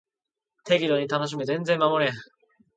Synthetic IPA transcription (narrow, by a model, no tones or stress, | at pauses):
t̪ʰe̞ɡʲiɾoɲ̟it̪ano̞ɕ̬imɯ̟zẽ̞nd͡zẽ̞mmamoɾea